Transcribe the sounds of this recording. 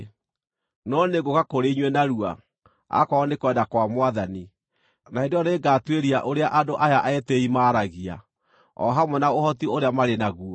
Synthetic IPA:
nɔneɡokakoɾeiɲwɛnaɾua̰ | a̰kɔːnekwɛdakwamwaðani | naendɔneɡaːtweɾiaʔoɾeaʔadoʔajaʔaɛteimaːɾaɣia̰ | ɔ̰ɦamwɛnaohɔtioɾeamaɾenaɣu

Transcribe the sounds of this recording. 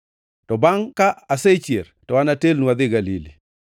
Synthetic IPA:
tɔbaŋkaːset͡ʃjertɔwanatelnuad̪ɪɡalilḭ

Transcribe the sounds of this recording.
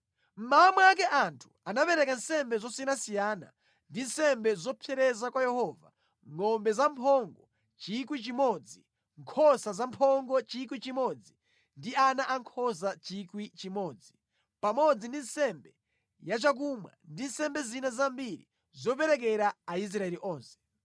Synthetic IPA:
m̩maamwak̬ɛʔantʰu̥anapɛɾɛkan̩sɛmbɛzɔsinasijaːna̰ | ndin̩sɛmbɛzɔpʰɛɾɛzakwajɛhɔːva̰ | ŋɔmbɛzampʰɔŋɡɔ | t͡ʃikwit͡ʃimɔd͡zi | ŋkʰɔsazampʰɔŋɡɔt͡ʃikwit͡ʃimɔd͡zi | ndianaʔaŋkʰɔs̬at͡ʃikwit͡ʃimɔːd͡zi | pamɔd͡zindin̩sɛmbɛ | jat͡ʃak̬umwa̰ndin̩sɛmbɛzinazambiɾḭ | zɔp̬ɛɾɛk̬ɛɾaːis̬ɾaɛɾiʔɔːnsɛ̥

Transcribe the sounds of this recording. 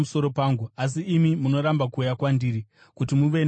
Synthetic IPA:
uso̞ɾo̞paːŋɡuas̬iːmimuno̞ɾambakuːjakwandiːɾi | kutimuʋe̞n

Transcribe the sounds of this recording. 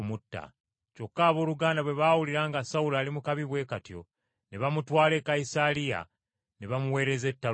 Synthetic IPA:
mutːa̰ | co̞kːaːβo̞ːluɡaːndaβwe̞βawuliɾaːŋɡasaulaːlimukaβiβwe̞ːkatjo̞̰ | ne̞βamutwaːle̞kaisalija̰ | ne̞βamuwe̞ːɾeze̞tːa

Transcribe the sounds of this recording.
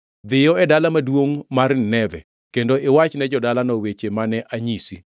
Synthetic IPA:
d̪ɪjɔɛdalamadwoŋmarnɛvɛ̰ | kendoʔɪwat͡ʃnɛd͡ʒɔdalanɔwet͡ʃemanɛʔaɲisi

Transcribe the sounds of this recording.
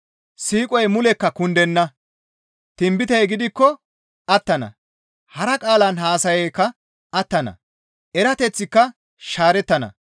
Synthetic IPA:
siːkʼɔjmʊlɛkːɐkʊnd̪ɛnːɐ | t̪ɪmbɪt̪ɛjɡɪd̪ɪkːɔ | ɐt̪ːɐnɐ̰ | hɐɾɐkʼaːlɐnɦaːsɐjɛjkːɐ | ɐt̪ːɐnɐ̰ | ɛɾɐt̪ɛt͡sːɪkːɐ | ʃaːɾɛt̪ːɐnɐ̰

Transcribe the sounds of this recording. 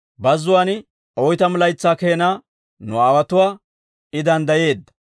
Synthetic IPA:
bɐzːʊwaːnɪ | ɔjt̪ɐmɪlɐjt͡sːaːkeːnaː | nʊaːwɐt̪ʊwaː | ɪd̪ɐnd̪ɐje̞ːd̪ːɐ̥

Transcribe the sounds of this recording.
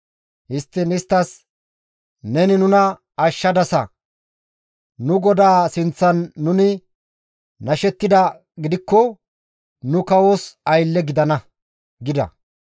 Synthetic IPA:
hɪst̪ːɪnɪst̪ːɐs | nɛnɪnʊnɐ | ɐʃːɐd̪ɐsɐ̰ | nʊɡɔd̪aːsɪnt͡sːɐnːʊnɪ | nɐʃɛt̪ːɪd̪ɐ | ɡɪd̪ɪkːɔ | nʊkɐwoːsɐjlːɛɡɪd̪ɐnɐ | ɡɪd̪ɐ̰

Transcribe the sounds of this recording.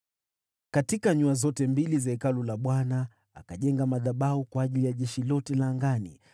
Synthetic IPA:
katikaɲuazɔtɛmbilizaɛkalulaɓwanaː | kaʄɛŋɡamaðaɓaukwaːʄilijaʄɛʃilɔtɛlaːŋɡanḭ

